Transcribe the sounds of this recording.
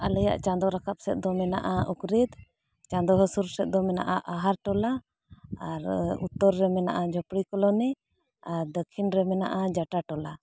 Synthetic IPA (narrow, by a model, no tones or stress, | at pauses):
alɛja̰ʔt͡ʃand̪ɔɾakap̚sɛt̪̚ˀd̪ɔmɛna̰ʔaukɾid̪ | t͡ʃãnd̪ɔɦɔsuɾsɛt̪̚d̪ɔmɛna̰ʔaʔaɦaɾʈɔlaː | ɾṵt̪ːɔɾːɛmɛna̰ʔad͡ʒɔpɽikɔlɔnɛ | aɾd̪əkʰinɾɛmɛna̰ʔad͡ʒaʈaʈɔla